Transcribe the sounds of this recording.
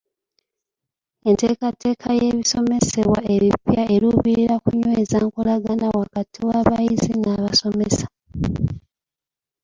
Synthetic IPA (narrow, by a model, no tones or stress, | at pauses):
e̞nte̞ːkatːe̞ːkʰaje̞βiso̞me̞se̞βwae̞βipjae̞ɾuβiɾiɾakuɲweːzaːŋkolaɡanawakatʰiwaβajizinaːβaso̞mesḁ